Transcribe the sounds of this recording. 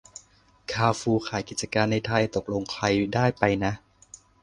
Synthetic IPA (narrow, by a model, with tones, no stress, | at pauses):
kʰaː˧wfuː˧kʰaː˩˦jki˨˩t̪̚t͡ɕa˧kaː˧nːa˧jt̪ʰa˧jt̪o˨˩k̚lo˧ŋkʰla˧jdaː˥˩jpa˧jna˦˥ʔ